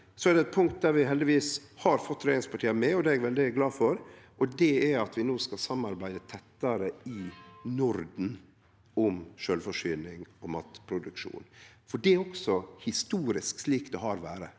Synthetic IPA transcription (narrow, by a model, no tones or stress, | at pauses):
sɔæɖɛt̪̚pʰʊŋkt̪̚d̪æɾʋɪɦɛld̪ɪʋiːshɑɾfɔt̪ːɾeːɪŋspʰɑʈʰiːəmɛɔd̪ɛɛɡʋɛld̪ɪɡlɑːfɔɾʔɔd̪ɛɛɾɑt̪ʋɪnoːskɑsɑmːɑɾbæɪd̪ət̪ʰɛt̪ːəɾəɪnʊɾd̪n̩ | ɔmʃøːlfɔʂyːnɪŋɔmɑːt̪pʰɾʊd̪ʉkʂṵːnfɔɖɛɾɔksɔhɪst̪uːɾɪsksliːkd̪ɛɦɑːɾʋæ̰ːɾə